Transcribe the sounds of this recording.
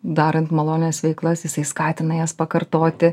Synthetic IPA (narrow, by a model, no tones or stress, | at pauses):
d̪ɑːɾɐnt̪mɐlˠoːnʲnʲɛsʋʲɛɪklˠɐsjɪsɐɪskɑːt̪ʲɪnɐjɛːspɐkɐrt̪oːt̪ʲɪ